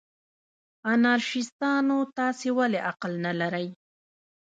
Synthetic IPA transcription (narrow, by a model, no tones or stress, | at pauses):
anɑɾʃɪst̪ɑnot̪ɑsewaleʔaqlnalaɾaj